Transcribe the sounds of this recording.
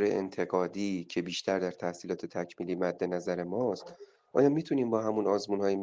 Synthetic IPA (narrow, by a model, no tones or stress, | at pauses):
ɾeʔḛnt̪ʰe̞ɡɒːd̪iːcʰe̞biːʃt̪ʰæɾd̪æɾt̪ʰæhsiːlɒːt̪ʰe̞t̪ʰæcʰmiːliːmæd̪ːe̞næzæɾe̞mɒːst̪ | ʔɒ̰ːjɒːmit̪ʰuniːmbɒːɦæmunɒːzmunhɒːjem